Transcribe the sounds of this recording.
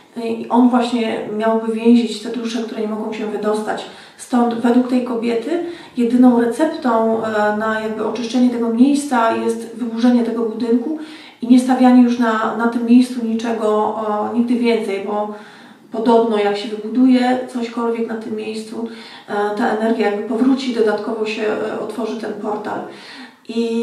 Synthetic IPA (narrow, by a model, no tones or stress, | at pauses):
iʔɔnvwaɕɲɛmʲjawbɘvʲjɛ̃w̃ʑit͡ɕft̪ɛd̪ɾuʂɛkt̪uɾɛɲɛmɔɡɔ̃w̃ɕɛvɘd̪ɔst̪at͡ɕ | st̪ɔnt̪vɛd̪wukt̪ɛjkɔbʲjɛt̪ɘ | jɛd̪ɘnɔ̃w̃ɾɛt̪sɛpt̪ɔ̃w̃najaɡ̚bɘɔt͡ʂɘʂt͡ʂɛɲɛt̪ɛɡɔmʲjejst̪sajɛst̪vɘbuʐɛɲɛt̪ɛɡɔbud̪ɘŋku | iɲɛst̪avʲaɲɛjuʂnanat̪ɘmːjejst̪suɲit͡ʂɛɡɔɲiɡ̚d̪ɘvʲjɛnt̪sɛjbɔ | pɔd̪ɔbnɔjakɕɛvɘbud̪ujɛt̪sɔɕkɔlvʲjɛknat̪ɘmːjejst̪su | t̪aʔɛnɛɾɡʲjajaɡbɘpɔvɾut͡ɕid̪ɔd̪at̪kɔvɔɕɛɔ̰t̪fɔʐɘt̪ɛnpɔɾt̪a̰l | ʔi